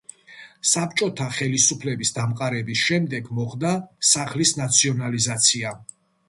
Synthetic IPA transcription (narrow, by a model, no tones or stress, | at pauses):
sap̚t͡ʃʼɔt̪ʰaχɛlisupʰlɛbisd̪amqʼaɾɛbisʃɛmd̪ɛɡmɔχd̪asaχlisnat̪sʰiɔnalizat̪sʰia